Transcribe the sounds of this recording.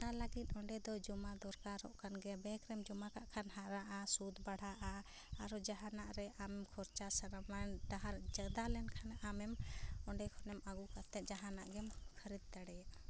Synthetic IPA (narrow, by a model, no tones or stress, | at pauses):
alaɡit̪̚ˀɔɳɖɛd̪ɔd͡ʒɔmad̪ɔɾkaɾɔ̰ʔkʰanɡɛbɛkɾɛmd͡ʒɔmakaʔkʰanɦaɾaʔasud̪baɽ̤ʱaʔa | aɾɔd͡ʒaɦanaʔɾɛʔamɛmkʰɔɾt͡ʃasaɾamanɖaɦaɾd͡ʒəd̪alɛnkʰanaʔamɛmɔɳɖɛkʰɔnɛmaɡukat̪ɛt̪̚d͡ʒaɦanaʔɡɛmkʰəɾid̪̚t̪aɽɛjaʔa